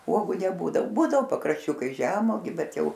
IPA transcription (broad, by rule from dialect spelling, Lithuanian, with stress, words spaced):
ˈuɔɡʊ nʲɛˈbuːdɐw ˈbuːdɐʋoː pɐkrɐʃʲˈt͡ʃʲʊkɐɪs ˈʒʲæːmoːɡʲʊ ˈbʲɛt ˈjɛʊ